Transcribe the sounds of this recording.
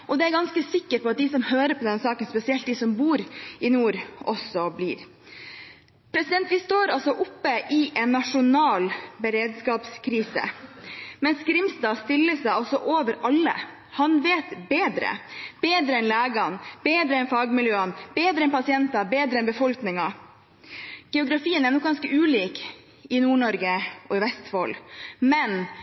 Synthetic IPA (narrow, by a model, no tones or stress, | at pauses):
ʔɔd̪ɛæɾɡɑnskəsɪkːəɾpʰɔɑt̪̚d̪ɪsɔmhøːɾəpʰɔd̪ɛnsɑːkənspɛsɪɛlt̪̚d̪ɪsɔmbuːɾɪnuːɾʔɔsɔblḭːɾ | pʰɾɛsɪd̪ɛnt̪ʋɪst̪oːɾɑlsɔʔʊpːəʔɪʔɛnːɑʂʊnɑːlbəɾeːd̪skɑːpskʰɾiːsə̰ | mɛnsɡɾɪmsd̪ɑːst̪ɪlːəsæɪɔlsɔʔoːʋəɾʔɑlːə̰ | hɑnʋeːt̪beːd̪ɾə̰b̥eːd̪ɾəɛnlæːɡɑnb̥eːd̪ɾəɛnfɑːɡmɪljøːənbeːd̪ɾəɛnpɑsɪɛnt̪ɑbeːd̪ɾəɛnbəfɔlknɪŋɑ | ɡ̥ɛʊɡɾɑfiːənæɾɳɔk̚ɡɑnskəʔʉːliːk | ɪnuːɳɔɾɡəʔɔɪʋɛst̪ʋo̰ːlmɛn